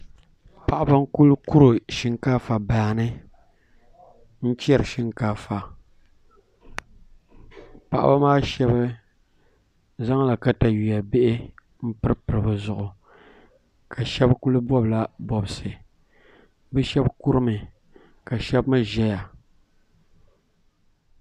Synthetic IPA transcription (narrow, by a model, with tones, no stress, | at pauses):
pa˨ʔa˨ba˦ŋ˦ku˦lku˦ɾo˨ʃi˦ŋkaː˦fa˨baː˨nɨ˦ | n̩˦t͡ʃi˦ɛ˦ɾɨ˨ʃi˦ŋkaː˦fa˨ | pa˨ʔa̰˦ba˦maː˦ʃɛ˦ba˦ | za˦ŋ˦la˨ka˦ta˨ji˨ja˨be˦ʔɪ˦ | m̩˦pɨ˦ɾpɨ˨ɾɨ˨bɨ˨zʊ˨ʔʊ˨ | kʰa˨ʃɛ˦bku˦lɨ˦bɔ˦bla˨bɔ˨bɨ˨sɨ˨ | bɛ˦ʃɛ˦bku˦ɾɨ˦mɨ˨ | ka˨ʃɛ˦bma˦ʒɛ˦ja˨